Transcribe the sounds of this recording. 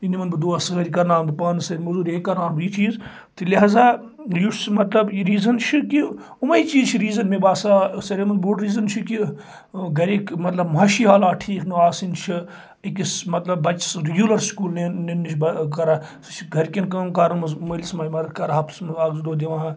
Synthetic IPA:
inimɐnbɨd̪oːsɨɣɐɾikɐɾnaːnbɨpaːnsɐɾʲmɐzuːɾʲẽːkɐɾnaːnbiːt͡ʃiːz | t̪ʰilʲɐɦaːzaː | jusmɐt̪lɐbiɾiːzɐnt͡ʃʰiki | umɐiːt͡ʃiːzt͡ʃʰiɾiːzɐnmebaːsaːsɐɾemɐnbuɽɾiːzɐnt͡ʃʰiki | ɡɐɾikmɐt̪lɐbmɐːʃiɦaːlaːʈʰiːknɐaːsint͡ʃʰi | ikismɐt̪lɐbːɐt͡ʃsɾiɡʲuːlɐɾskuːlnenenːiʃbɐkɐɾa | t͡ʃʰɡʱɐɾkʲinkɐkɐɾmɐzmɐlʲismɐjimɐkɐɾɦɐːpsmaːɡzd̪oːd̪ʲiʋãːɦ

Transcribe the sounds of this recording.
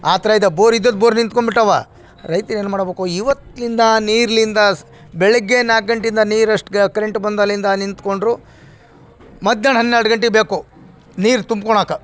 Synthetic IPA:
aːt̪ɐɾɐid̪ɐboːɾid̪ːod̪boːɾnint̪koɳbiʈːɐʋa | ɾɐjt̪ɐɾe̞ːnmaːɽbeːkuiʋɐt̪ːlind̪ɐniːɾɐlind̪ɐ | bɛɭɐɡːenaːk̚ɡɐɳʈind̪ɐniːɾɐʂʈkɐɾeɳʈbɐnd̪ɐlind̪ɐnint̪ko̞ɳɖɾuː | mɐd̪jaːɳɦɐnːeːɾɖɐɡɐɳʈeɡebeːku | niːɾt̪umb̚koɳaːkɐ

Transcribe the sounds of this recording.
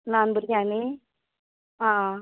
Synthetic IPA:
naːnbɾjaːni | ɦãː

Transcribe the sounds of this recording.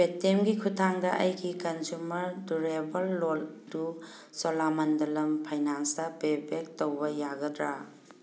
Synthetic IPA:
petːemɡikʰutʰaŋdɐʔɐjɡikɐnzumɐɾduɾebɐlːoldu | sɔlamɐndɐlɐmpʰɐjnaŋsɐbebek̚towbɐjaɡɐdɾa

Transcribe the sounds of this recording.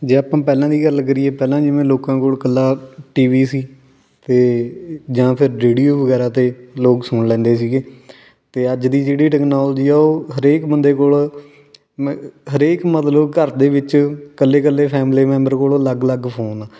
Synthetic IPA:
d͡ʒeːaːpãːpɛːlãːd̪iːɡəlkəɾiːeːpɛːlãːd͡ʒɪʋẽːloːkãːkoːlkəlːaːʈiːʋiːsiː | t̪eːd͡ʒãːpʰɪɾɾeːɖijoːʋəɡɛːɾaːt̪eːloːksʊɳlɛ̃ːnd̪eːsiːɡeː | t̪eːəd͡ʒd̪iːd͡ʒeːɽiːʈɛːknaːlːd͡ʒiːɛːoːɦəɾeːkbənd̪eːkoːl | ɦəɾeːkmət̪ləbkəɾd̪eːʋɪt͡ʃkəlːeːkəlːeːpʰɛːmleːmɛ̃ːmbəɾkoːloːləɡləɡpʰoːnaː

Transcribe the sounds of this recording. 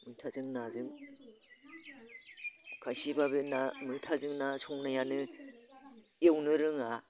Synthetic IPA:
mɯŋtʰazɯŋnazɯŋ | kʰajsibaβɯnamɯŋtʰazɯŋnasɔŋnajanɯ | ewnɯɾɯŋa

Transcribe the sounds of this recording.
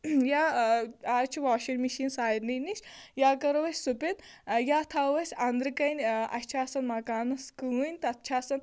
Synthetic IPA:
jaːaːɾt͡ʃʰiʋaːʃinmiʃiːnsaːjɾniniʃjaːkɐɾʋɐsʲsupʲet̪jaːt̪ʰaʋɐsʲɐnd̪ɾɨkɐnʲɐ̰t͡ʃʰaːsɐnmɐkaːnɐskɨunʲt̪ɐt̪t͡ʃʰaːsɐn

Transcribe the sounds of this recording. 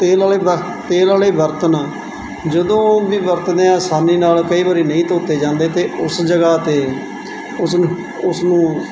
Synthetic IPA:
t̪eːlaːleː | t̪eːlaːleːbəɾt̪ənː | d͡ʒəd̪õːʋiːbəɾt̪neãːsaːniːnaːlkəiːbaːɾiːnəĩːt̪oːt̪eːd͡ʒãːnd̪eːt̪eːʊsd͡ʒəɡaːt̪eː | ʊs | ʊsnũː

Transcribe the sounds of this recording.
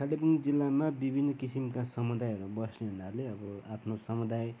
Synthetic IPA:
kʰalepund͡zilːamabibʱinːʌkisimkasʌmud̪ajʌɾubʌsneɦunaɾleʌbʌapʰnosʌmud̪aj

